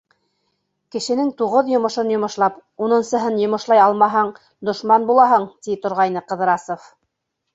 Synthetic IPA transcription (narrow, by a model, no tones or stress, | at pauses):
kɘ̆ʃɘ̆nɘŋt̪uʁɤðjŏmɤ̆ʃɤnjŏmɤ̆ʃlˠɑpunɤ̆nsɤ̆ɦɤnjŏmɤ̆ʃlˠɑjɑlˠmɑɦɑɴ | d̪ŏʃmɑnbulˠɑɦɤɴt̪it̪ŏɾʁɑjn̪ɤqɤ̆ðɤ̆ɾɑsof